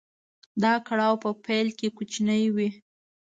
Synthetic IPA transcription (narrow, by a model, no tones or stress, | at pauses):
d̪ɑkaɽɑwpəpajlkekut͡ʃnəjwi